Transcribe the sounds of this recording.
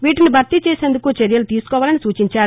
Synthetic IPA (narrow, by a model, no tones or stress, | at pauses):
ʋiːʈinibʱɐɾt̪it͡ʃeːse̞ːnd̪ukut͡ʃeɾjɐlut̪iːsu̥kɔːʋaːlɐnisuːt͡ʃiɲt͡ʃaːɾu